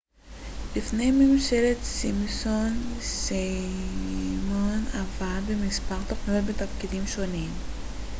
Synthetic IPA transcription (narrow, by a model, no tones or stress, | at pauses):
bifnejmimʃeɾet̪simisonse | monavabemispaʁt̪opnovebet̪ɐfkid̪imʃo̞nim